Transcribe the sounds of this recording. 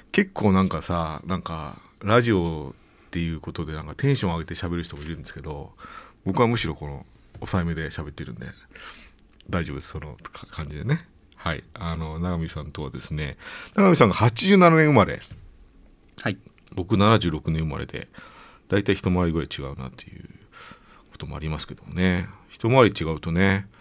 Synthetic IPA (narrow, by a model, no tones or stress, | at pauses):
ke̞kʰːo̞ːnãŋkasanãŋka̰ | ɾaʑio̞ | t̪ːe̞jɯ̟ːko̞t̪o̞d̪e̞nãŋkat̪ʰẽ̞ɰ̃ɕõ̞aɡe̞t̪e̞ɕabe̞ɾɯ̟çit̪omoiɾɯ̟nd̪esɨ̥ke̞d̪o̞bo̞kɯβamɯ̟ɕiɾo̞ko̞no̞̰ | osaeme̞d̪e̞ɕabe̞t̪ːeɾɯ̟̰̃nd̪e̞̰ | d̪aiʑo̞bd̪e̞sɨ̥sono̰̥kʰḁkʰãɲ̟d͡ʑid̪ene̞ | haḭano̞naɡamʲisãnt̪o̞βad̪e̞sɨne̞naɡamʲisãŋɡahat͡ɕiʑɨːnananẽ̞ɯ̟maɾe̞̰ | a | bo̞kɯnanaʑɨːɾo̞kɯ̟nẽɯma̰ɾe̞d̪e̞̰ | d̪̥ait̪aiçi̥t̪o̞maaɾiɡɯ̟ɾait͡ɕiɡa̰ɯ̟na̰t̪ʰːe̞jɯ̟̰ | kʰot̪o̞mo̞̰a̰ɾʲimasɨ̥ke̞d̪o̞mo̰ne̞çi̥t̪o̞maaɾʲit͡ɕiɡaɯ̟t̪o̞ne̞